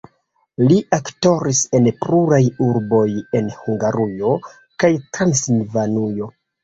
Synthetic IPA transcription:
liʔakto̞ɾise̞npɾuɾajuɾbo̞je̞nhuŋɡaɾujo̞ | kajtɾansilvanujo̞

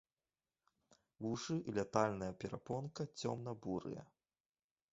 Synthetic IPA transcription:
vuʂɨʔilʲat̪alʲnɐjɐpʲɛɾapɔnkɐt͡sʲɔ̰mn̪ɐbuɾɨ̰jɐ̰

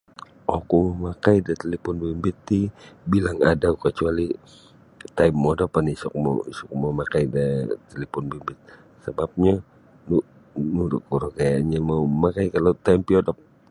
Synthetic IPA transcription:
ʔokuməmakajdat̪əlipʊnbimbɪt̪ːibilaŋadaukət͡ʃuali | t̪ajmːodapanisɔ̰k̚mɔ̰isɔk̚məmakajdat̪əlipʊnbimbɪt̪̚ | səbap̚ɲa | nuʔ | nudʊkuɾɔkajaɲamauəmakajkalat̪aimpiodɔp̚

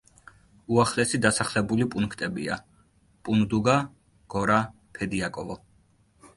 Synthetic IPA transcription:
uaχlɛsid̪asaχlɛbulipʼuŋkʰt̪ʼɛbḭa̰ | pʼund̪uɡa | ɡ̥ɔɾa | pʰɛd̪iakʼɔvɔ

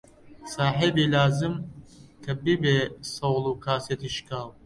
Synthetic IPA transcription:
saːħibiːlaːzɨmkʰɐbibeːsɐwlˠuːkʰaːset̪iːʃkʰaːw

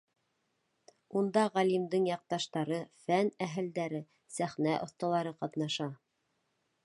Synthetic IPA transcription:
und̪ɑʁælimd̪ɘɴjɑq̚t̪ɑʃt̪ɑɾɤfænæɦɘ̆ld̪æɾɘ | sæχnæʔŏ̰θt̪ɑlˠɑɾɤqɑt̪nɑʃɑ

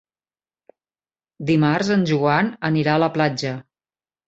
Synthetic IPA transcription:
d̪imarzənʲʒuanəniɾaələplad͡ʒə

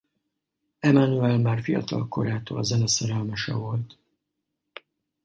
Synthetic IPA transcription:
ɛmanuɛlmaːrfijɒ̰t̪ɒ̰lko̞ɾaːt̪oːlzɛnɛsɛɾɛlmɛʃɛ̰vo̞lt̪

